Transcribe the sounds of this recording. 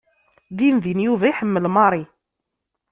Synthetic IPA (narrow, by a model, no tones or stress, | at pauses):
ðimðinjuvæjħəmːəlmɑɾˤi